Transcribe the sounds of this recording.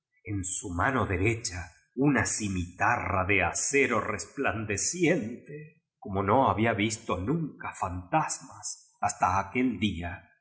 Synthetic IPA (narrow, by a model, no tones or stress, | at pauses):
ensumano̞ðeɾet͡ʃa | unasimit̪araðeaseɾorespland̪esjent̪e | ko̞mo̞no̞aβiaβist̪onũŋkafant̪asmas | ast̪aːke̞ld̪ia